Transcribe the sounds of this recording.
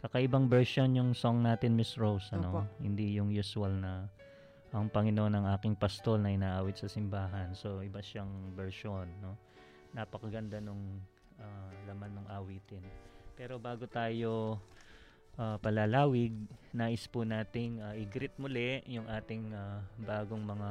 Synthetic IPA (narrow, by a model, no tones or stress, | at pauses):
kɐkɐʔɪbɐŋbɛɹʃo̞njʊŋso̞ŋnaːt̪ɪnmɪsɹowsʔɐnnohɪ̰nd̪ijʊŋjusʊɐlnɐ | ʔɐŋpɐŋɪnoʔonɐŋaːkɪŋpɐst̪o̞lnɐʔɪnaːʔaːwɪt̪sɐsɪmbaːɦɐnso̞ʔɪbaʃaŋbɛɹʃo̞nːo̞ː | ɐpɐkɐɡɐnd̪anʊŋ | alɐmanːʊŋʔaːwiːt̪ɪnpɛːɾo̞baːɡot̪aːjo̞ | ʔaːpɐlɐlaːwɪɡ̚naːʔɪspʊnaːt̪ɪŋaʔɪɡɾɪt̪̚mʊlɛjʊŋʔaːt̪ɪŋabaːɡoŋmɐŋa